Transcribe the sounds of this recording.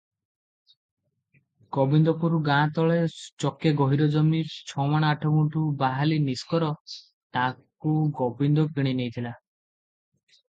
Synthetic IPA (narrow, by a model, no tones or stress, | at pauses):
ɡ̥ɔbind̪ɔkuɾuɡãt̪ɔɭet͡ʃɔkeɡɔɦiɾɔd͡ʒɔmiɾt͡ʃʰɔmaɽ̃ɔaʈʰɔɡũʈubaɦaliniskɔɾɔ | t̪a | kuɡɔbind̪ɔpiɽ̃inejt̪ʰila